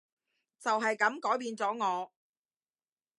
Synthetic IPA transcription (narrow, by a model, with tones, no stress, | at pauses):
t͡sɐ˨wɦɐ˨jkɐ˨˥mkɔː˨˥jpiː˧nt͡sɔː˨˥ŋɔː˨˧